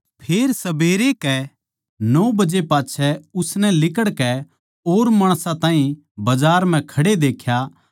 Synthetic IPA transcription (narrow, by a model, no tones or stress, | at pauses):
pʰeːɾsɐbeːɾekɛ | nɔːbɐd͡ʒepaːtːt͡ʃʰɛʊsnɛlɪk̬əɽkɛ | oːɾmaːɽ̃sãt̪ãːĩ | bɐd͡ʒaːɾm̤ɛ̃kʰɐɽed̪eːkʰja